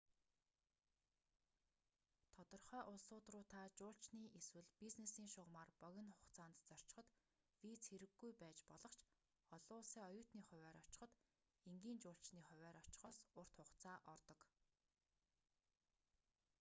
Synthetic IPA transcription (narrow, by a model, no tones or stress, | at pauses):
t̪ʰɔt̪ɞ̆rχœːʔʊɮsʊːt̪rʊːt̪ʰaːt͡ɕʊːɬt͡ɕniːʔeswɘ̆ɮpiznesiːŋʃʊʁmaːrpœɣʲɪ̆nχʊχt͡sʰaːnt̪t͡sɔr̥t͡ɕɪ̥̆χɞ̆t̪ | wit͡sxeɾɘ̆ɡːujpæːt͡ɕpɔɮɞ̆χt͡ɕʰ | ɔɮʊːɮsiːɔjʊːt̪niːχʊ̟wʲæːɾɔt͡ɕɪ̥̆χə̆t̪ | eŋɡiːnt͡ɕʊːɬt͡ɕniːχʊ̟wʲæːɾɔt͡ɕɪ̥̆χɔːsʊr̥t̪χʊχt͡sʰaːʔɔrt̪ɞ̆k